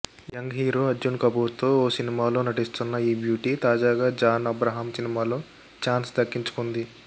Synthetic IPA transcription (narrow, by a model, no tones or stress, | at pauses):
jɐŋɡɦiːɾoːɐd͡ʒunkɐbuːɾt̪o̞ːoːsinimaːlo̞ːnɐʈist̪unːɐiːbjuːʈiːt̪aːd͡ʒaːɡaːd͡ʒaːnɐbɾaɦaːmsinimaːlo̞ː | t͡ʃaːnsd̪ɐkːiɲt͡ʃu̥kund̪i